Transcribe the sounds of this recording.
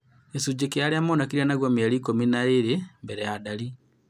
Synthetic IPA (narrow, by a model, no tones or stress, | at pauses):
esud͡ʒekeaɾeamonakiɾianaɣwamiaɾikominaeɾembɛɾɛjadaɾi